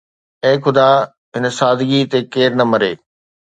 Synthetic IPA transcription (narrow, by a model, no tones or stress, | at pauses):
ẽːxʊd̪aː | ɦɪnəsaːd̪ɡit̪ekeːɾnɐmɐɾeː